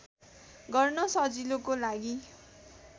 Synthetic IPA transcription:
ɡʌrnʌsʌd͡zilokolaɡi

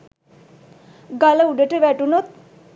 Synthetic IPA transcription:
ɡaləuɖəʈəʋæʈunot̪̚

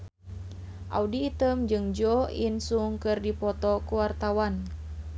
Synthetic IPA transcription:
ʔa̰udiːt̪əmd͡ʒɨŋd͡ʒɔinsuŋkɨrdipɔt̪ɔkuwart̪awan

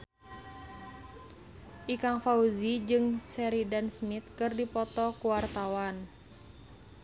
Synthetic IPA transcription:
ʔikaŋfauzid͡ʒɨŋsɛɾidansmit̪̚kɨrdipɔt̪ɔkuwart̪awan

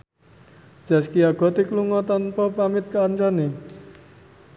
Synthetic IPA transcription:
d͡ʒ̥a̤skiaɡ̥ɔ̤t̪ikluŋɔt̪anpɔpamɪt̪̚kaːɲt͡ʃane

